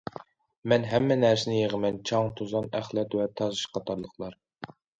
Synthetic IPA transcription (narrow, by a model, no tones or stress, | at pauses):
mɛnɦɛmːɛnæɾsɪnɪjeʁəmɛnt͡ʃʰɑŋt̪ʰozɑnæχlˠɛt̪wɛt̪ʰɑzɨʃqʰɑt̪ʰɑɾlˠəqʰlˠɑɾ